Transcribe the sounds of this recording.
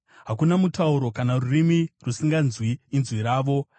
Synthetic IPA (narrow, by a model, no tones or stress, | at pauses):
ɦakunamutauɾo̞kanarurimirusiŋɡanzwiːnzwiɾaːʋo̞